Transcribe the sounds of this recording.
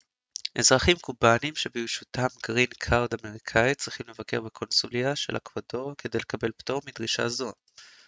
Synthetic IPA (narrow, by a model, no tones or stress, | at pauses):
ʔe̞zʁaχimkubanimʃebiʃutʰamɡʁinkʰawdame̞ʁikʰait͡sʁiχimle̞vake̞ʁbekʰo̞nsuliaʃe̞̰lʔa̰kvado̞kʰe̞d̪e̞jle̞kabe̞lpto̞ʁmid̪ʁiʃa̰zo̞